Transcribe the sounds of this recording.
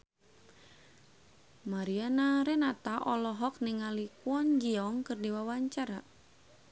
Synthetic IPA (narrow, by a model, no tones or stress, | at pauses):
maɾianaɾɛnat̪aʔɔlɔɦɔk̚niŋalikuɔnd͡ʒiɔŋkɨrdiwawaɲt͡ʃaɾa